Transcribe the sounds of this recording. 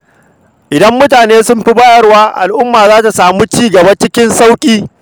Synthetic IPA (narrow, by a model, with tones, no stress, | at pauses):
ʔɪ˨dɐ˦mːʊ˦t̬aː˨neː˦sʊ˦mɸi˦baː˦jɐ˦rwaː˦ʔa̰˨lʔʊ˦mːaː˨zaː˦ta˨saː˨muː˦t͡ʃiː˦ɡɐ˨ba˦t͡ʃɪ˦kʲɪ˦nsa˦wkʲʼiː˦